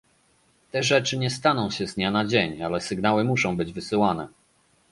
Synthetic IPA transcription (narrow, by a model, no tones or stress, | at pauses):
t̪ɛʐɛt͡ʂɘɲɛst̪an̪ɔ̃w̃ɕɛzɲanad͡ʑeɲalɛsɘɡnawɘmuʂɔ̃w̃bɘd͡ʑvɘsɘwanɛ